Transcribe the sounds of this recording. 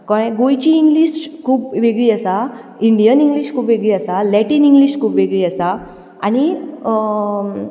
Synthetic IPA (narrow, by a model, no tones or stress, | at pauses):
kɔ̃ɛ̃ɡojt͡ɕiːŋɡliɕkʰuːpʋeɡɭiːasa | iɳɖijəniŋɡliɕkʰuːpʋeɡɭiːəsalɛʈiːniŋɡliɕkʰuːpʋeɡɭiːəsa | añi